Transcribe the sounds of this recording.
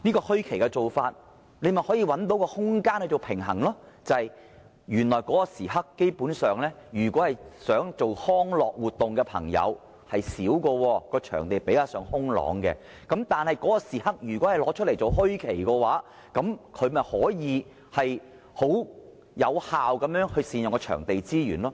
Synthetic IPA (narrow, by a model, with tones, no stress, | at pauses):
niː˥kɔː˧hɥkʰe˨˩jkɛ˧t͡so˨wfaː˧t̚ | ne˨˧jmɐ˨nhɔː˨˥jiː˧wɐ˨˥nt̪̬o˨˥wkɔː˧hʊ˥ŋkaː˥nhɵ˨jt͡so˨wpʰɪ˨˩ŋɦɐ̰˨˩ŋlɔː˥t͡sɐ˨hɐ˨j | jyː˨˩nlɔː˨˩jkɔː˨˥kɔ˧siː˨˩ɦɐ˥kːe˥jpuː˨˥nsœː˨ŋlɛː˥jyː˨˩kʷɔː˨˥hɐ˨jsœː˨˥ŋt͡so˨whɔː˥ŋlɔː˨k̚wuː˨t̪ːʊ˨ŋkɛː˧pʰɐ̰˨˩ŋjɐ̰˨˧w | hɐ˨jsiː˨˥wkɔː˧wɔː˧kɔː˧t͡ʃʰœ̰ː˨˩ŋt̪e˨jpe˨˥jkaː˧wsœː˨˧˥ŋhʊ˥ŋlɔ̰ː˨˥ŋkɛ̰˧ | kɐ˨˥mt̪aː˨nhɐ˨jkɔː˨˥kɔ˧siː˨˩hɐ˥k̚jyː˨˩kwɔː˨˥hɐ˨˩jlɔː˨˥t͡ʃʰɵ˥t̚le˨˩jt͡so˨wɦɵ˥ɥkʰe˨˩jkɔː˧waː˨˥ | kɐ˨˥mkʰɵ˨˧ɥmɐ˨˩hɔː˨˥jiː˨˧ | hɐ˨j | ho˨˥w | jɐ˨˧whaː˨wkɐ˨˧˥mjœː˨˥ŋhɵ˧ɥsiː˨njʊ˨ŋkɔː˧t͡ʃʰœ̰ː˨˩ŋt̪e˨jt͡siː˥jy̰ː˨˩nlɔː˥